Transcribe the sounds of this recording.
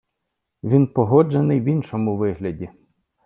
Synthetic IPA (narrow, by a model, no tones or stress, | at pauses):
ʋʲinpɔɦɔd͡ʒenɪjʋinʃɔmʊʋɪɦlʲɐdʲi